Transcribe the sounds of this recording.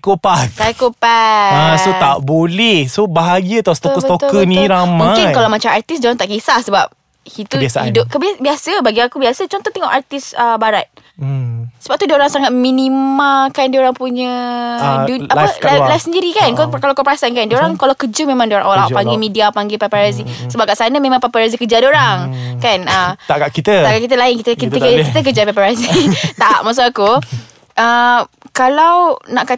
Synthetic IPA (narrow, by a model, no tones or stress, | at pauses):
kupat̪ajakupaasot̪aʔbolɛhsobaɦaɡat̪ast̪okət̪okkənĩɾammũŋãkɪnkalawmat͡ʃamart̪isdaɾaŋt̪aʔkisahsəbap̚ | hit̪uasaidʊp̚kəbabiasəbaɡiakubiasət͡ʃɔnt̪ɔht̪ɛŋɔ̰ʔart̪ɪsəbaɾat̪̩̚ | səbap̚t̪udioɾaŋsaŋat̪̚mĩnimalkandioɾaŋpuɲə̃ | duaəlalajfsəndiɾikankkalawkopɾasankandoɾaŋkalawkəd͡ʒumẽmãŋdoɾa̰ŋolawpaŋɡimidiapaŋɡepapaɾazisəbap̚kaʔsanamẽmãŋpapaɾazikəd͡ʒadoɾaŋkanət̪akaʔkit̪ət̪aʔkaʔkit̪̬əlaɪnkit̪əkit̪əit̪ək̬əd͡ʒapapaɾazit̪aʔmas̬aaku | ʔəkalawnaʔka